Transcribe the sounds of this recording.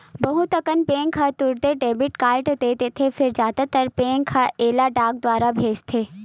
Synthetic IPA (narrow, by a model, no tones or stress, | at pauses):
bɐɦut̪ɐkənpẽːŋkʰat̪ʊɾd̪eɖeːbɪʈkaːlʈd̪eːt̪et̪ʰefʰɪɾzjaːd̪at̪ɐɾpẽːŋkʰaʔeːlaɖaːɡ̚d̪waːɾabʱeːd͡ʒt̪ʰeː